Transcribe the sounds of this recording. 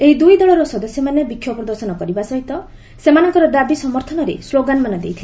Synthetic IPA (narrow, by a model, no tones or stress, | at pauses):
eɦid̪ujd̪ɔɭɔɾɔsɔd̪ɔsjɔmanebikʰːjɔpɾɔd̪ɔɾsɔnɔkɔɾibasɔɦit̪ɔ | semanɔŋkɔɾɔd̪abisɔmɔɾt̪ʰɔnɔɾḛsloɡanmanɔd̪ḛjt̪ʰil